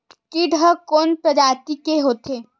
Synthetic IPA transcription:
kiɖʱəkoːnpɾəd͡ʒaːɾt̪ikeɦoːt̪ʰeː

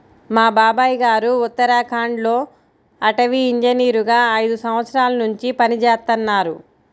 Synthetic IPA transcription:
maːbaːbaːjiɡaːɾuut̪ːɐɾaːkʰaːɳɖlo̞ː | ɐʈɐʋiːɲd͡ʒɐniːɾuɡaːɐjd̪usɐmʋɐt̪sɐɾaːlɐnuɲt͡ʃipɐnit͡ʃɛːst̪ɐnːaːɾṵ

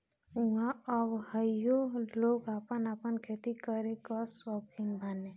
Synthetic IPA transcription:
uɦãɔbhəjjoloːɡapənapənkʰet̪ikəɾekasɔkʰinbʱane

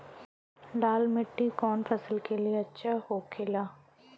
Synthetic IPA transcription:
ɖaːlmɪʈːikɔːnfʰɐsəlkelieɐtːʃʰaɦoːkʰelaː

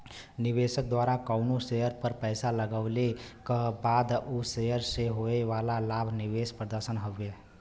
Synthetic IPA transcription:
niβesək̚d̪waɾakəʊnosejəɾpəɾpəjsaləɡəʊlekəbad̪usejəɾseɦoeʋalalabʱniʋespɾəd̪əɾsənɦobe

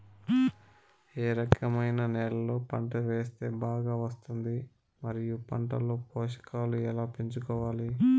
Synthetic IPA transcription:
eːɾɐkʰɐmɐjnɐnɛːɾɐlo̞ːpɐɳʈɐʋe̞ːst̪e̞ːbaːɡaːʋɐst̪und̪i | mɐɾijupɐɳʈɐ̰lo̞ːpoːʂɐ̥kaːluɛlaːpeɲt͡ʃukɔːʋaːli

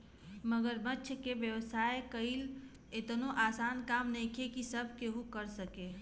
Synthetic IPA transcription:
məɡəɾbətːʃʰkeʋjəʋsaːekəil | ɪt̪noʔaːsaːnkaːmnɛ̃ikʰekisəbʱkeɦukəɾsəkeː

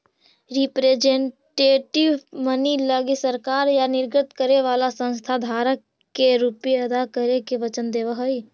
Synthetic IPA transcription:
ɾipɾeːd͡ʒẽɳʈeːʈɪʋməniləɡisəɾkaːɾjanɪɾɡɾət̪kəɾeʋaːlasə̃nst̪ʰad̪ʱaːɾəkː | eɾupjeɐd̪akəɾekeʋət͡ʃənd̪eːʋəɦəi

